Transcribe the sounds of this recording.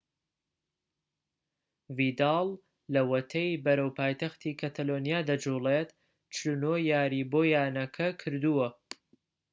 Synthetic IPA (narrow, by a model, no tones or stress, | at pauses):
vid̪ɑlˠː | ɐwɐt̪ʰɐjbɐɾɐwpaːjt̪ɐxt̪ʰiːkʰɐt̪ʰɐlonijaːd̪ɐd͡ʒuːlet̪ | t͡ʃlunojaːɾiboːjaːnɐkʰɐkʰɨɾd̪uwɐ